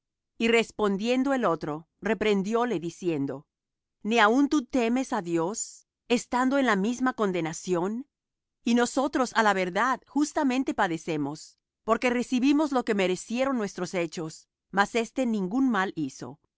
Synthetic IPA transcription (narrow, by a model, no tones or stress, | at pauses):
ire̞spo̞nd̪je̞nd̪o̞e̞lo̞t̪ɾo̞ | repɾe̞nd̪jo̞le̞ðisje̞nd̪o̞ | niaunt̪ut̪e̞me̞saðjo̞s | e̞st̪and̪oenlamizmako̞nd̪e̞nasjo̞n | ino̞so̞t̪ɾo̞salaβe̞ɾðaðxust̪amẽ̞nt̪e̞paðe̞se̞mo̞s | po̞ɾke̞re̞siβimo̞zlo̞ke̞me̞ɾe̞sje̞ɾo̞nːwe̞st̪ɾo̞se̞t͡ʃo̞s | mase̞st̪e̞nĩŋɡunmaliso̞̰